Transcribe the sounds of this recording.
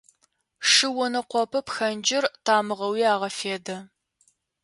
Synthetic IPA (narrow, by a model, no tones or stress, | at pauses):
ʂɨwɔnɐqʷɔpʰɐpxɐnd͡ʒɪrtʰaːmɨʁɐwiːaːʁɐfeːdɐ